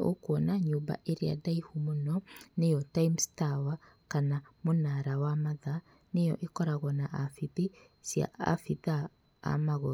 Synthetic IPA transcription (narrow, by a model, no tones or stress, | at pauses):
o̰kuɔnaɲoːba̰ʔeɾea̰daihumonɔnejɔtaimstawa | kanamonaɾawamaða | nejɔ̰ʔekɔɾaɣwɔnaʔafiði | sja̰ʔa̰fiða | a̰maɣo